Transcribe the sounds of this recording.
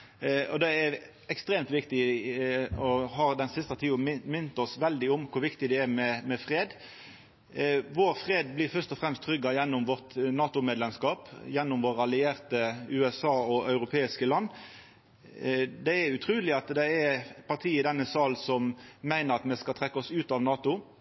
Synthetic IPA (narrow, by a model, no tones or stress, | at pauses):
ɔ̰d̪ɛæ | ɛkst̪ɾeːmt̪ʋɪkt̪ɪ | ɔɦɑɾd̪ɛnsɪst̪ɑt̪ʰiːʊmʏnt̪ɔsʋɛld̪ɪʊmkʰʊɾʋɪkt̪ɪd̪ɛæɾmɛmɛfʁeːd̪ | ʋoːʁfʁeːd̪blɪfœʂst̪ɔfʁɛmst̪ʰɾʏɡːɑjɛnːʊmʋɔʁt̪nɑːt̪ʊmeːd̪lɛmskɑːpjɛnːʊmʋoːʁɑlɪeːʁt̪əʉːɛsɑːɔœʉɾʊpʰeːɪskəlɑnː | d̪ɛːɾʉt̪ʰɾʉːlɪɑt̪d̪ɛɛɾpʰɑʁt̪ʰiːɪd̪ɛnːəsɑːlsɔmmæɪnəɾɑt̪mɛskɑlt̪ʰʁɛkːəɔsʉːt̪ɑʋnɑːt̪ʊ